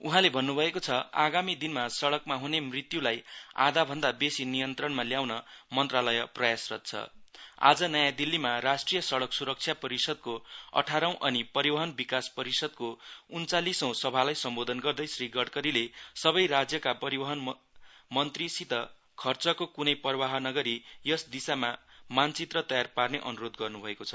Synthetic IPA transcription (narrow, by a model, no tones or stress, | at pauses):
uɦãlebʱʌnːubʱʌekot͡sʰʌa̰ɡamid̪inmasʌɽʌkmaɦunemrit̪julaja̰d̪abʱʌnd̪abesinijʌnt̪rʌɳmaljawnʌmʌnt̪ralʌjʌprʌjasrʌ̰t̪̚t͡sʰʌ̰a̰d͡zʌnʌjad̪ilːimaɾasʈrijʌsʌɽʌksuɾʌk̚t͡sʰjapʌɾisʌd̪̚koʌ̰ʈʰaɾʌw̃ʔʌnipʌɾibʌɦʌnbikaspʌɾisʌd̪̚kount͡salisʌw̃sʌbʱalajsʌmbod̪ʱʌnɡʌrd̪ʌjsriɡʌɽkʌɾilesʌβʌjrad͡zjʌkapʌɾibʌɦʌn | mʌnt̪risit̪ʌ | kʰʌrt͡sʌkokunʌjpʌrbaɦʌnʌɡʌɾijʌsd̪isamamant͡sit̪rʌt̪ʌjarparneʔʌnuɾod̪ɡʌrnubʱʌekot͡sʰʌ̥